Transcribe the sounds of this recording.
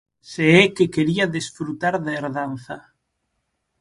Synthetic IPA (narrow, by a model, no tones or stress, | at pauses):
seɛkekeɾiaðesfɾut̪aɾðaeɾðanθɐ